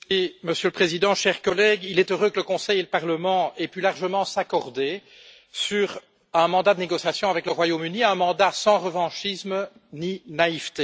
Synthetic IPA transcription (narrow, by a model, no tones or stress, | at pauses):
iməsjøləpχezid̪ɑ̃ʃɛʁkɔlɛɡilɛt̪øʁøkələkɔ̃sɛjeləpaʁləmɑ̃epylaʁʒəmɑ̃sakɔʁd̪e | syʁ | ɛ̃mɑ̃d̪ad̪əneɡɔsjasjɔ̃avɛkləʁwajomyniɛ̃mɑ̃d̪asɑ̃ʁəvɑ̃ʃism | ninaivt̪e